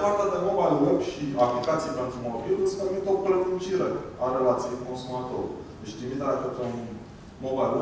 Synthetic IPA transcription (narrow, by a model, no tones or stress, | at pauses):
paɾt̪ad̪emobalwebʃiaplikat̪sijpe̞nt̪ɾumobilɨspomit̪o̞plet̪it͡ʃiɾeaɾelat̪sijeko̞nsumat̪o̞ɾṵd̪et͡ʃt̪imit̪akot̪on | mobajlwe